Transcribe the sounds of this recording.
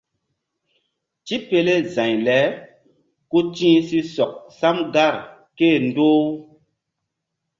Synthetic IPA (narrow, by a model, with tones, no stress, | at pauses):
t͡ʃi˦pe˧le˦zã˨ɲlɛ˨˦ | ku˦tĩː˦si˦sɔ˨k̚sa˦mɡa˦˨ɾ | ke˦˨ndoː˦